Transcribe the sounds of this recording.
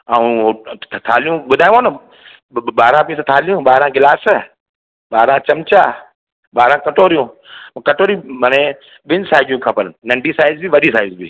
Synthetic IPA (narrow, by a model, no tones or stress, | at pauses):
aːũɦot̪ʰaːlijũɓʊd̪ʱaːj̃onə | ɓaːɾãpĩst̪ʰaːlijũɓaːɾãɡɪlaːsə | ɓaːɾãt͡ɕɐmt͡ɕaː | ɓaːɾãːkɐʈoːɾijũkɐʈoːɾimaːnẽ | ɓɪnsaːɪd͡ʒijũkʰɐpənnɐ̃ɳɖʱisaːɪzbiʋɐɗisaːɪzbḭː